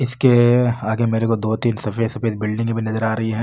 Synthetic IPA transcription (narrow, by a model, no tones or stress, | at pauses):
ɪskeaːɡemeːɾekod̪oːt̪iːnsɐfeːt̪sɐfeːt̪̚bɪlɖɪ̃ŋɡbʱinɐzəɾaːɾɐɦiɦɛ̃ː